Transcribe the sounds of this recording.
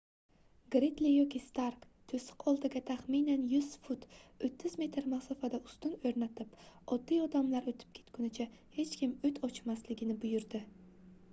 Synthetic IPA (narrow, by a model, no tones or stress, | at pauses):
ɡɾet̪lijɒkʲist̪aɾk | t̪ʰɵsɪ̥qʰɒlˠd̪ɪɡʲat̪ʰaχminanjʊz̥fʊt̪ɵt̪ʰːɪzme̞t̪ʰɾmaχsɒfad̪aʊst̪ʊnɵɾnat̪ʰɪpɒd̪ːijɒd̪amlaɾot̪ʰɪ̥p̚kʲʰe̞̥t̪kʰʊnɪt͡ʃʰahe̞t͡ʃkʲɪmʊt̪ʰɒt͡ʃmaslɪɡʲɪnɪbʊjʊɾd̪ɪ